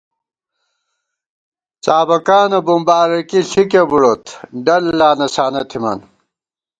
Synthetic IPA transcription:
t͡saːbɐkaːnɐbumbaːɾɐkiɬikebuɽot̪ʰɖɐlːaːnɐsaːnɐt̪ʰimɐ̰n

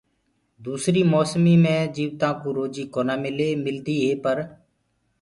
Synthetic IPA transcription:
d̪uːsɾiːmoːsmiːmẽːd͡ʒiːʋt̪ãːkõːɾoːd͡ʒiːkoːnaːmɪleːmɪld̪iːɦeːpəɾ

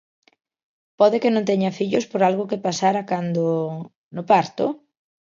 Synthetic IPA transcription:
pɔðekɪnõnt̪ɛɲafiʎʊspoɾalɣʊkepasaɾakand̪o | nʊpaɾt̪ʊ

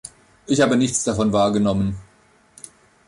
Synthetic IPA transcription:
ʔɪçhaːbənɪçt͡sd̥afɔnvaːɐɡənɔmən

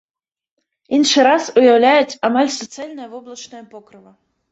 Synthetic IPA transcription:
inʂɨɾɑsʊjawlʲæjʊtʲamalʲsɔt̪sɨalʲnəjvoblˠɐt͡ʃnəjɐpokɾɨvɐ

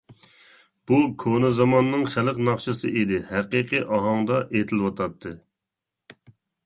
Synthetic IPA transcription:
b̥ukʰonɨzɑmɑnːɨŋχæləqnɑχʃɨsɨʔed̪ɪhæqiqʰiʔɑɦɑŋd̪ɑʔet̪ʰɪlwɑt̪ʰɑt̪ʰːɨ

